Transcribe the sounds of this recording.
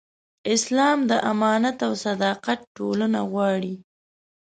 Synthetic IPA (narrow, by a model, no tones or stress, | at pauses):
ɪslɑmd̪əʔamɑnat̪awsad̪ɑqat̪̚ʈolənaɣwɑɽi